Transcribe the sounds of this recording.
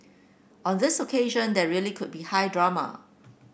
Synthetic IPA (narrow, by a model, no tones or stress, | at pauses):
ɔ̃ndɪsokʰeʒə̃ndɛɹiəlikʰʊd̚bihaɪdɹamə̰